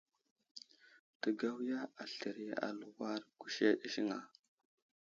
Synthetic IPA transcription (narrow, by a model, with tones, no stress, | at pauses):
tə˨ɡa˦wja˦a˨ɬə˨ɾi˦ja̰˨lu˨wa˦ɾɡu˨ʃe˦ɗi˨ʃi˦ŋa̰˨